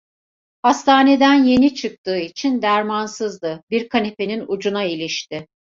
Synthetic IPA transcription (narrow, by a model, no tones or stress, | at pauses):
hast̪ʰaːne̞d̪ænje̞nit͡ʃʰɯk̚t̪ʰɯːit͡ʃʰind̪æɾmansɯzd̪ɯbiɾkʰanepe̞ninud͡ʒunailʲiʃt̪ɪ